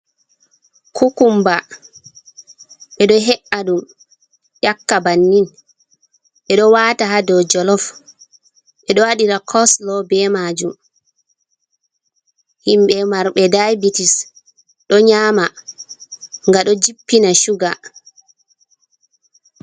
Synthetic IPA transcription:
kʰukumba | ɓɛɗɔɦɛʔaɗum | jakːabanːin | ɓɛɗɔwataɦadɔd͡ʒɔlɔf | ɓɛɗɔwaɗiɾakʰɔslɔbɛmad͡ʒum | himɓɛmaɾɓɛdajbitis | ɗɔɲama | ŋɡaɗɔd͡ʒipːinaʃuɡa

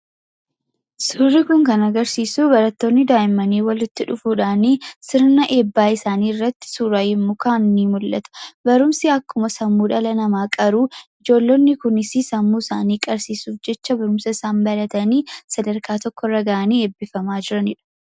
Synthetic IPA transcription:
suːrːikʊŋkɐnɐɡɐɾsiːsubɐɾɐt̪ːo̞ːnːɪd̪aːʔɪmːɐniːwɐlɪt̪ːɪᶑʊfuːᶑaːniːsɪɾnɐʔe̞ːbːaːɪsaːniːɪrːɐt̪ːɪ̥suːɾajɪmːʊkaːnːiːmʊlːʔɐ̰t̪ɐ̥bɐɾʊmsɪɐkːʊmɐsɐmːuːᶑɐlɐnɐmaːkʼɐɾuːɪd͡ʒo̞ːlːonːɪkʊnɪsisɐmːuːɪsaːniːkʼɐɾsiːsuːfd͡ʒɛt͡ʃːɐbɐɾʊmsɐɪsaːmbɐlɐt̪ɐniːsɐd̪ɐɾkaːt̪ɔkːɔrːɐɡaːʔɐniːe̞ːbːɪfɐmaːd͡ʒɪɾɐnɪᶑʊ̥

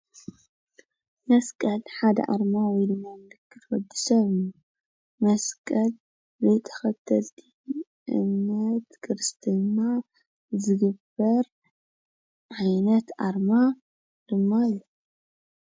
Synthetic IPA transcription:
mɐskʼɐlħad̪ɐ̰ʔa̰ɾmawɔjlɨnanlɨkːɨt̪wɐd̪ːisɐβɨnu | mɐskʼɐl | zɐjt̪ʼʰɐ̥xɐt̪ʰːɐlt̪ʰi̥ | ʔɨ̰mnɐt̪kʰɨɾɨst̪ʰɨnːa | zɨɡɨbɐɾ | ʕajnɐt̪ʔaɾma | d̪̥ɨmːalo

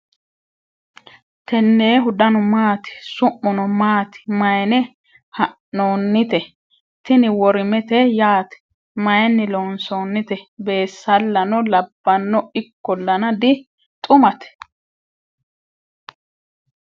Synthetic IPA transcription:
t̪ɛnːeːɦʊd̪ɐnɔmaːt̪ɪ̥sʊʔːɔnɔmaːt̪ɪ̥mɐjɛnɛ | hɐʔːoːnːɪt̪ɛ | t̪ɪnɪwɔɾɪmɛt̪ɛjaːt̪ɛ̥ | mɐjɛnːɪloːnsoːnːɪt̪ɛbe̞ːsːɐlːɐnɔlɐbːɐnːɔɪkːɔlːɐnɐd̪ɪ | t̪ʼʊmɐt̪ɛ̥

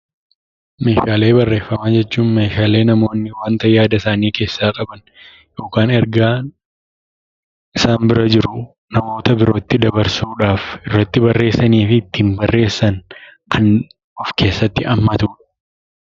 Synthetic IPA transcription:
me̞ːʃaːle̞ːbɐrːe̞ːfːɐmaːd͡ʒɛt͡ʃːuːnme̞ːʃaːle̞ːnɐmo̞ːnːɪwaːnt̪ɐjaːd̪ɐsaːniːke̞ːsːaːkʼɐbɐn | jo̞ːkaːnɛɾɡaː | ɪsaːmbɪɾɐd͡ʒɪɾʊ | nɐmo̞ːt̪ɐbɪɾo̞ːt̪ːɪd̪ɐbɐɾsuːᶑaːfɪrːɐt̪ːɪbɐrːe̞ːsːɐniːfɪt̪ːiɪmbɐrːʔe̞ːsːɐnkʰɐn | ɔfke̞ːsːɐt̪ːɪʔɐmːɐt̪uːᶑɐ̥

